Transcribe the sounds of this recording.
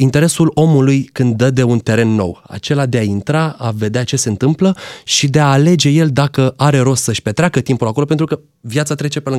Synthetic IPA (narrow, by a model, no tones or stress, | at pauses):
int̪e̞ɾe̞sulo̞mulujkɨnd̪ːəd̪e̞unt̪e̞ɾe̞nːo̞̰wa̰t͡ʃe̞lad̪e̞aint̪ɾaave̞d̪eat͡ʃe̞seɨnt̪ɨmpləʃid̪e̞aːle̞d͡ʒe̞je̞ld̪akəaɾe̞ɾo̞st̪səʃpe̞t̪ɾeakət̪impulako̞lop̬e̞nt̪ɾukə | vjat̪sat̪ɾe̞t͡ʃe̞pelɨ